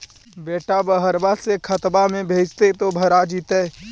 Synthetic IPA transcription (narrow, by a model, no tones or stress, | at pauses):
beːʈabəɦəɾbasekʰət̪bamẽbʱeːd͡ʒt̪et̪obʱəɾad͡ʒit̪e